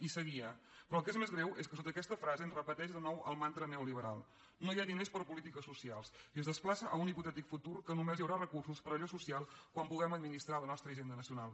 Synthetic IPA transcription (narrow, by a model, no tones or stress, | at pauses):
isəɣiə | pɾɔəlˠkezmezɣɾɛweskəsot̪əkɛst̪əfɾazəənrəpət̪ɛʒðənɔwəlˠmant̪ɾənɛuliβəɾa̰lˠ | nojaðinespəɾpulit̪ikəsːusialˠsiəzðəsplasəʔəuniput̪ɛt̪ikfut̪uɾkənumezjəwɾarəkursuspəɾəʎosusialˠkwampuɣɛməd̪minist̪ɾalənɔst̪ɾəːʒend̪ənəsiunalˠ